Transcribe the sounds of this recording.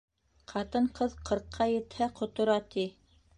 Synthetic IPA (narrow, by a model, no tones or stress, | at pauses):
qʰɑt̪ɤɴqɤðqʰɤ̆ɾqʰːɑjɘ̆t̪hæqŏt̪ŏɾɑt̪i